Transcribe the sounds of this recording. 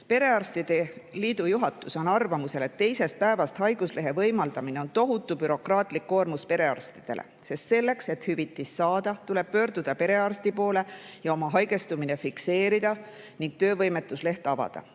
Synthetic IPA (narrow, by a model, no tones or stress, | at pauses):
pe̞ɾe̞ɑrst̪id̪̥e̞liːd̪̥ujuɦɑt̪ːˑuso̞nɑrvɑmuse̞le̞t̪ːe̞jse̞st̪̚pæe̞vɑst̪hɑjɡ̥usle̞ɦe̞vɤjmɑld̪̥ɑmineont̪o̞ɦut̪ːˑubyɾo̞krɑːt̪ˑlikːo̞ːrmuspe̞ɾe̞ɑ̰rst̪id̪̥e̞̰lʔḛse̞st̪se̞lːe̞kse̞t̪hyvit̪ːˑisːɑːd̪̥ɑt̪ule̞b̥̚pø̞ːɾd̪ud̪̥ɑpe̞ɾe̞ɑrst̪ipo̞ːle̞jɑo̞mɑɦɑjɡe̞st̪umine̞fikse̞ːɾid̪̥ɑ | niŋɡ̥̚t̪øːvɤjme̞t̪ːˑusle̞ht̪ɑvɑ̰d̪̥ɑ̰